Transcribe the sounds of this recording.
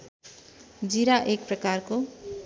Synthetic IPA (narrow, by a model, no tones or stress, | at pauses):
d͡ziɾaʔek̚prʌkarko